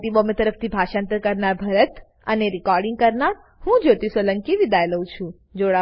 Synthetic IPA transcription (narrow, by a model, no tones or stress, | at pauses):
ʈibomet̪əɾəft̪ʰibʱaʃãnt̪əɾkəɾnaɾbʱəɾət̪ | ə̰neɾikɔɾɖiŋɡkəɾnaɾ | hũd͡ʒot̪isʋələŋkiʋid̪ajləũt͡ʃʰũ | d͡ʒoɽa